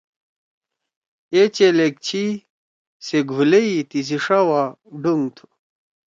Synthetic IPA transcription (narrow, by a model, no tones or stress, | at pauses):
et͡ɕelek̚t͡ɕʰi | seɡʱuleit̪is̬iʂawaɖuŋt̪ʰu̥